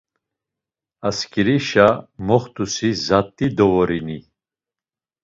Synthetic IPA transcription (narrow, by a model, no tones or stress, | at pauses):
askʼiɾiʃamɔχt̪ʼusizat̪ʼːid̪ɔvɔɾini